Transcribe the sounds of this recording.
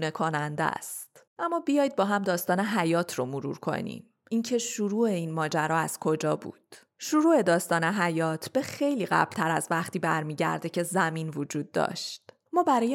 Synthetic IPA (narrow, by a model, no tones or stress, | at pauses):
nekʰonænd̪æ̰st̪ʔæmːɒːbijɒːjd̪̚bɒːɦæmd̪ɒːst̪ɒːne̞ɦæjɒːt̪ʰɾomoɾṵːɾkʰo̞̰nḭːm | incʰe̞ʃuɾuːe̞iːnmɒːd͡ʒæɾɒːæz̥kʰo̞d͡ʒɒːbṵːd̪̥ | ʃuɾuːe̞d̪ɒːst̪ɒːne̞ɦæjɒːt̪ʰb̥e̞xejliːɣæ̰b̥lt̪ʰæɾæzvæχt̪iːbæɾmiːɟæ̰ɾd̪ecʰe̞zæmiːnvod͡ʒuːd̪̚ːɒ̰ːʃt̪ | mɒːbæɾɒːj